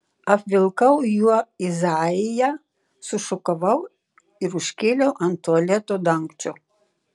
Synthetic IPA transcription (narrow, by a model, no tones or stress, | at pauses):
ɐpʲʋʲɪlˠkɐʊjuɔɪzɑːɪjæ | sʊʃʊkɐʋɐʊ | ɪɾʊʃʲkʲeːlʲɛʊʔɐnt̪uɐlʲɛt̪oːd̪ɐŋkt͡ʃʲoː